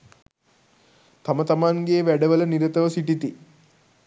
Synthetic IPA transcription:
t̪amət̪amaŋɡeːʋæɖəʋələniɾət̪əʋəsiʈit̪i

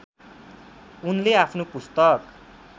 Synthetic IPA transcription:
unleapʰnopust̪ʌk

